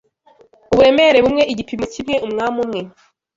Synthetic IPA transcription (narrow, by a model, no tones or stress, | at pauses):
uβuɾe̞meɾe̞βumŋe̞ʔiɟipimucimŋe̞ʔumŋaːmumŋe̞